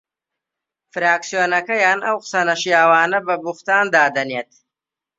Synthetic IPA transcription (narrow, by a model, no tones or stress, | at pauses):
fɾaːksijoːnɐkɐjaːnɐwqsɐnɐʃijaːwɑːnɐbɐbuxt̪aːnd̪aːd̪ɐnjeːt̪̚